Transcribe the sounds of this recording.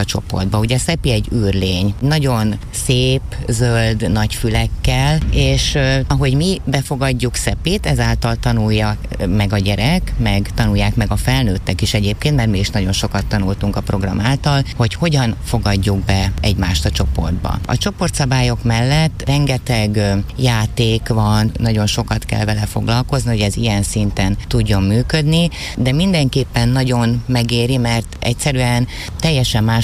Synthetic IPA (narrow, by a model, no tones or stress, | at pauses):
ɒt͡ʃo̞̰po̞̰rd̪̚bɒuɟɛsɛpiɛɟːyːrleːɲnɒɟo̞n | seːpzøld̪nɒcfylɛkːɛleːʃɒɦo̞ɟmibɛfo̞ɡɒɟːuksɛpiːt̪ɛzaːlt̪ɒlt̪ɒnujːɒ | mɛɡɒɟɛɾɛkmɛɡt̪ɒnujːaːkmɛɡɒfɛlnøːt̪ːɛkiʃɛɟeːp̚keːnt̪mɛrt̪miiʃnɒɟo̞nʃo̞kɒt̪ːɒnult̪uŋkɒpro̞ɡrɒ̰maːlt̪ɒlho̞cho̞ɟɒnfo̞ɡɒɟːuɡ̚bɛɛɟmaːʃt̪ɒt͡ʃo̞po̞̰rd̪bɒ̰ɒ̰t͡ʃo̞po̞rt̪sɒbaːjo̞kmɛlːɛt̪ːrɛŋɡɛt̪ɛɡjaːt̪eːkvɒnːɒɟo̞nʃo̞kɒt̪kɛ̰lvɛlɛfo̞̰ɡlɒlko̞zniho̞ɟɛzijɛnsint̪ɛnt̪uɟːo̞mːyːkø̞d̪ni | d̪ɛmind̪ɛŋkeːpːɛnːɒɟo̞nmɛɡeːɾimɛrt̪ɛ̰csɛɾyɛn | t̪ɛjːɛʃɛmːaː